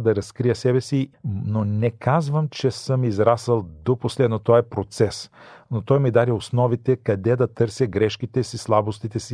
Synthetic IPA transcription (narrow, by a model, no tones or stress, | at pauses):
d̪ɐɾɐskɾijəsɛbɛsinonɛkazvəmt͡ʃɛsɤmizɾasəlˠd̪oposlɛd̪not̪ɔɛpɾot̪sɛsnot̪ɔjmid̪aɾiosnɔvit̪ɛkɐd̪ɛd̪ɐt̪ɤɾsʲəɡɾɛʃkit̪ɛsislˠabost̪it̪ɛsi